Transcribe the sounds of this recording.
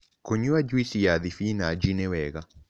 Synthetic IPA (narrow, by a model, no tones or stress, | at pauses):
koɲuad͡ʒuisijaðifinad͡ʒinewɛɣa